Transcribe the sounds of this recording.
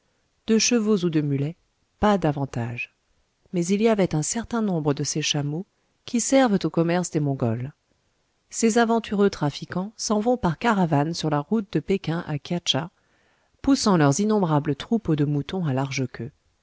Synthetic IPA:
d̪̥əʃəvozud̪əmylɛ | pad̪avɑ̃t̪a̰ʒ | mɛziliavɛt̪ɛ̃sɛʁt̪ɛ̃nɔ̃bʁəd̪əseʃamo | kʲʰisɛʁvət̪okɔmɛʁsd̪emɔ̃ɡɔl | sezavɑ̃t̪ʰyʁøt̪χafikɑ̃sɑ̃vɔ̃paʁkaʁavansyʁlaʁut̪̚d̪əpekʲɛ̃ʔa̰kʲjat͡ʃa | pusɑ̃lœʁzinɔ̃bʁablət̪χupod̪əmut̪ɔ̃alaʁʒəkʲʰø

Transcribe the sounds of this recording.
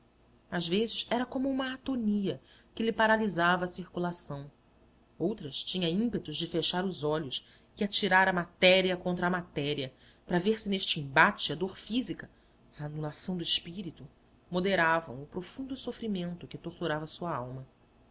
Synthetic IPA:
azvezɪʃɛɾɐkõmʊũmɐːt̪oniɐ | kɪlɪpaɾalizavɐːsiɾkulasɐ̃w̃ | owt̪ɾɐst͡ʃĩɲɐ̃ĩmpet̪ʊzd͡ʒɪfeʃaɾʊzɔʎʊs | ɪat͡ʃiɾaɾɐmat̪ɛɾiɐkõnt̪ɾɐmat̪ɛɾiɐ | pɾɐveɾsɪneʃt͡ʃɪĩmbat͡ʃɪɐd̪oɾfizikɐ | ɐːnulasɐ̃w̃d̪ʊɪʃpiɾit̪ʊ | mod̪eɾavɐ̰̃w̃ʊpɾofũnd̪ʊsofɾimẽnt̪ʊkɪt̪oχt̪uɾavɐsuɐawmɐ

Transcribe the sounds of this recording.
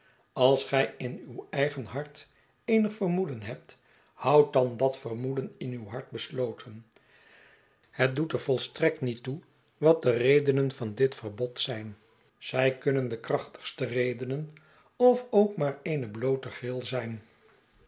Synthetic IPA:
ɑlˠsχɛjɪnywɛjχənɦɑɹt | ejnəχfərmudənɦɛp̚t | hʌwt̚dɑndɑtfərmudənɪnywɦɑɹt̚bəslowtʰən | hət̚dutəɹvɔlˠstrɛk̚tnitu | ʋɑt̚dərejdənənvɑndɪtfərbɔtsɛjn | z̥ɛjkɵnəndəkrɑχtə̥χstərejdənən | ɔfowkmaːɹejnəblowtəχrɪlˠzɛjn

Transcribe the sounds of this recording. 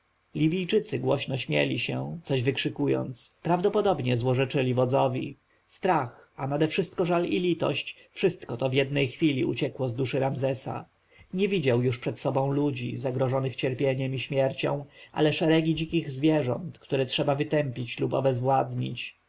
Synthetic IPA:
lʲibʲijt͡ʂɘt̪sɘɡwɔɕnɔɕmʲjɛ̰lʲiɕɛt̪sɔʑvɘkʂɘkujɔ̰nt̪spɾavd̪ɔpɔd̪ɔbɲɛzwɔʐɛt͡ʂɘlʲivɔd̪zɔvʲḭ | st̪ɾaxanad̪ɛfʂɘst̪̚kɔʐalilʲit̪ɔ̰ɕt͡ɕfʂɘst̪kɔt̪ɔvʲjɛd̪nɛjxfʲilʲḭṵt͡ɕɛkwɔzd̪uʂɘɾamzɛsa̰ | ɲɛvʲid͡ʑawjuʂpʂɛt̪sɔbɔ̃w̃lud͡ʑḭzaɡɾɔʐɔnɘxt͡ɕɛɾpʲjeɲɛmiɕmʲjɛɾt͡ɕɔ̰̃w̃ʔa̰lɛʂɛɾɛɡʲid͡ʑikʲiɣzvʲjɛʐɔ̰nt̪kt̪uɾɛtʂɛbavɘt̪ɛmpʲit͡ɕlupɔ̰bɛzvwad̪ɲḭt͡ɕ

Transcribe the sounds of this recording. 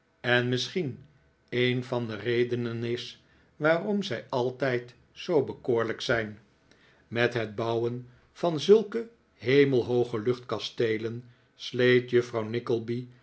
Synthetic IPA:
ɛnmɪsχin | ejnvɑndərejdənənɪs | ʋaːrɔmzɛjɑlˠtɛjt | zowbəkoːɹləksɛjn | mɛtɦəd̚bɑwən | v̥ɑnzɵlˠkə | ɦejməlˠɦowχəlɵχtkɑstejlən | slejtjəfrɑwnɪkəlˠbi

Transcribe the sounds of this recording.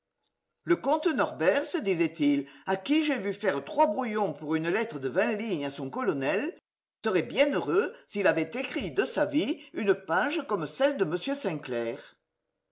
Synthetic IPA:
ləkɔ̃t̪ənɔʁbɛʁsəd̪izɛt̪ilakiʒevyfɛʁət̪χwabʁujɔ̃puʁynəlɛt̪χəd̪əvɛ̃liɲasɔ̃ŋkɔlɔnɛl | səʁɛbjɛ̃nøʁøsilavɛt̪ekχid̪əsaviynəpaʒəkɔmsɛld̪əməsjøsɛ̃klɛːʁ

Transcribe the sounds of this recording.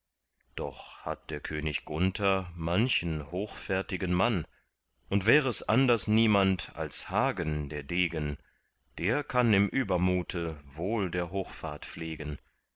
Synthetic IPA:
d̥ɔ̰χha̰t̚d̥eːɐkʰøːnɪçɡ̥ʊntʰɐmançn̩hoːxfɛɐtɪɡənman | ʔʊntv̥ɛːʁəɛsʔa̰ndɐsniːmanta̰lshaːɡəndeːɐdeːɡən | d̥eːɐkʰanɪmʔyːbɐmuːtʰəvoːldeːɐɦoːxfa̰ːɐtp͡fleːɡən

